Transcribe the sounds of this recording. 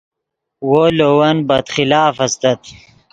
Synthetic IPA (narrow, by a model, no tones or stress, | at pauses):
wolowɐnbɐd̪χilaːfɐst̪ɐt̪